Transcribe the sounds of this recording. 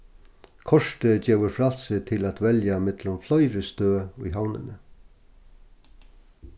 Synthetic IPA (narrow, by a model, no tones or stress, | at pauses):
kʰɔʂt̪əd͡ʑeːʋəɾfɾal̥sɪt̪ʰɪlæt̪vɛljamɪt̪lʊmflɔjɾəst̪øːʊjɦawnə̰nə